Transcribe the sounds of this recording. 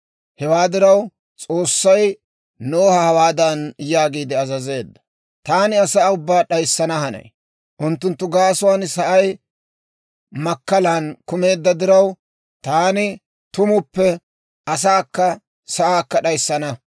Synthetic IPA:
hɛwaːd̪ɪɾɐw | t͡sʼo̞ːsːɐj | noːhɐhɐwaːd̪ɐnjaːɡiːd̪ɪɐzɐze̞ːd̪ːɐ̥ | t̪aːnɪɐsaːʊbːaːɗɐjsːɐnɐhɐnɐ̰j | ʔʊnt̪ːʊnt̪ːʊɡaːsʊwaːnsɐʔɐj | mɐkːɐlankʊme̞ːd̪ːɐd̪ɪɾɐw | t̪aːnɪ | t̪ʊmʊpːɛ | ɐs̬aːkːɐ | sɐʔaːkːɐɗɐjsːɐnɐ

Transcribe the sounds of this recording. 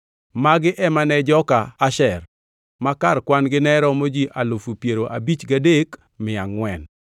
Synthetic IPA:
maɡɪʔɛmanɛd͡ʒɔkaːʃɛr | makarkwanɡɪnɛɾɔmod͡ʒiʔalofupjeɾoʔabit͡ʃɡadek | mɪaŋwɛn

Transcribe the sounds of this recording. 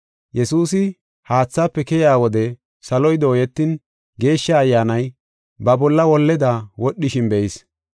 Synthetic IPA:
jɛsuːsɪ | haːt͡sːaːpːɛkɛjaːwɔd̪ɛ | sɐlɔjd̪oːjɛt̪ːɪn | ɡe̞ːʃːɐːjːaːnɐj | bɐbɔlːɐwɔlːɛd̪awɔɗːɪʃɪnbɛʔɪs

